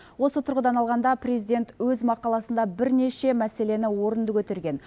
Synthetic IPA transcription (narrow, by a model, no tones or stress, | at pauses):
wo̞sət̪ʰʊɾʁəd̪ɑnɑlˠʁɑnd̪ɑprezid̪e̞nt̪wɵzmɑqɑlˠɑsənd̪ɑbɪɾne̞ʃe̞mæse̞le̞nɪwo̞ɾənd̪əkʰɵt̪e̞ɾɡʲe̞n